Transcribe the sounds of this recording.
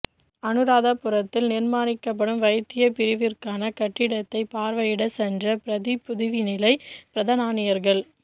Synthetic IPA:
ɐnɯɾaːðapːɯɾɐt̪ːɪlnɪɾmaːɾɪkːɐp̬ːɐɽɯmʋɐjt̪ːɪjɐpɪɾɪʋɪrkaːnɐkɐʈːɪɽɐt̪ːɐɪpaːɾʋɐjɪɽɐsɛndrɐpɪɾɐðipʊðɯʋinɪlɐɪpɪɾɐðɐnaːnɪjɐɾɣɐɭ

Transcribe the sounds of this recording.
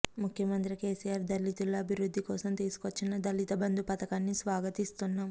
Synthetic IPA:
mukʰjɐmɐnt̪ɾike̞ːsijaːɾd̪ɐlːit̪ːulːoɐbʱiɾud̪ːikɔːsɐmt̪iːsu̥kʋɐt͡ʃːinɐd̪ɐlit̪ɐbɐnd̪upɐt̪ɐkaːnːisʋaːɡɐt̪ist̪unːaːm

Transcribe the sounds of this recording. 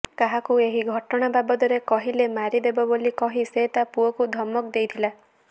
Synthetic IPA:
kaɦakueɦiɡʱɔʈɔɽ̃ababɔd̪ɔɾekɔɦilemaɾid̪ebɔbolikɔɦiset̪apuɔkud̪ʱɔmːɔkd̪ejt̪ʰila

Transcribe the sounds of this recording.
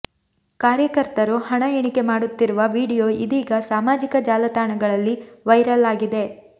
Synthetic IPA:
kaːɾjɐkɐɾt̪ɐɾuhɐɳɐjɐɳike̞maːɽut̪ːiɾuʋɐʋiːɽijo̞ːid̪iːɡɐsaːmaːd͡ʒikɐd͡ʒaːlɐt̪aːɳɐɡɐɭɐlːiʋɐjɾɐlaːɡid̪e̞

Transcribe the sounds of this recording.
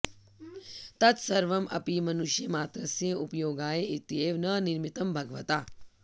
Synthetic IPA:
t̪ɐt̪sɐɾʋɐmʔɐ̰pimɐnuʃjɐmaːt̪ɾɐsjɐupɐjoːɡaːjeit̪jeːʋnɐniɾmit̪ɐmbʱɐɡʋɐt̪aː

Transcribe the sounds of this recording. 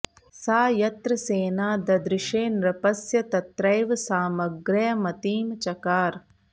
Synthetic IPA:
saːjɐt̪ɾɐseːnaːd̪ɐd̪ɾɪʃeːnɾɐpɐsjɐt̪ɐt̪ɾɐjʋsaːmɐɡɾɐjɐmɐt̪iːmt͡ʃɐkaːɾ

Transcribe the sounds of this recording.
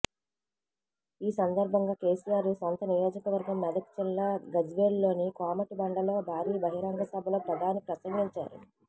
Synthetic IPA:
iːsɐnd̪ɐɾbʱɐŋɡaːke̞ːsijaːɾusont̪ɐnijoːd͡ʒɐkɐʋɐɾɡɐmːɛd̪ɐkt͡ʃɛlːaɡɐd͡ʒʋeːlːo̞ːnikaːmɐʈibɐɳɖɐlo̞ːbʱaːɾiːbɐɦiɾaːŋɡɐsɐbʱɐlo̞ːpɾɐd̪ʱaːnipɾɐsɐŋɡiɲt͡ʃa̰ːɾṵ

